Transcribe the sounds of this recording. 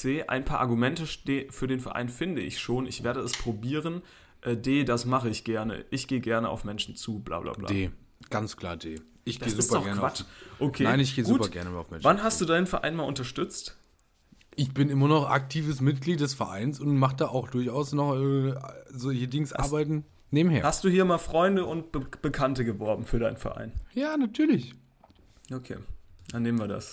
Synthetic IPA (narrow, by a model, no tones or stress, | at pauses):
eːʔa̰ɪnpʰaːɐʔaɐɡumɛntəʃteːfyːɐdeːnfɛɐʔa̰ɪnfɪndəʔɪ̰çʃoːnɪçv̥eːɐdəɛspʁ̥obiːʁ̞ən | ʔɛːdeːdasmaχəɪçɡ̥ɛɐnə̰ʔɪçɡ̥eːəɡɛɐnəʔa̰ʊfmɛnʃn̩t͡suːbla̰ːbla̰ːbla̰deː | ɡ̥ant͡skʰl̥a̰ːɐdeː | ʔɪçɡd̥eːszɪuːspɐdɔɡɛɐkvat͡ʃʔokʰeːnaɪnɪçɡ̥eːɡuːpɐɐɡɛɐnəmaʊfmɛnvanɦastd̥uːdaɪnənfɛɐʔa̰ɪnmaːlʔʊntɐʃtʏt͡st | ʔɪçb̥ɪnʔɪmɐnɔχʔa̰k̚tʰiːvəsmɪt̚ɡ̥liːt̚d̥ɛsfɛɐʔa̰ɪnsʊntmaχd̥aːʔaʊxd̥ʊɐçaʊsnɔχʔɛːzoçədɪŋsʔa̰ɐbaɪtn̩ | neːbm̩heːɐhastd̥uːhiːɐmaːlfʁ̥ɔʏndəʊnt̚b̥əb̥əkʰantəɡəvɔɐbm̩fyːɐɾaɪnənfɛ̰ɐʔa̰ɪnjaːnatʰyːɐlɪç | ʔokʰḛːd̥anːeːmn̩viːɐda̰s